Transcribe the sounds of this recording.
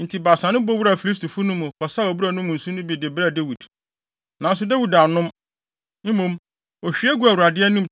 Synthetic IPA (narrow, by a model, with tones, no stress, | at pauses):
n̩˨tʰi˨ba˨sã˨˦nʊ̃˦bɔ˦wu˦ɾa˨fi˨li˦s̬tʰu˨fu˦nʊ̃˦mũ˨kʰɔ˨sa˦o˨bu˦ɾa˨nʊ̃˦mʊ̃˨n̩˨sũ˦nʊ̃˦bi˨dɪ˨bɾa˦˨de˦wi˨d | nã˨˦n˦s̬ʊ˨de˦wi˨da˨nʊ̃˦m | m̩˦mõ˦˨m | ɔ˨ɕᶣi˦ɛ˦ɡu˦a˨wu˨ɾa˨dɪ˦ɛ˦nʊ̃˦m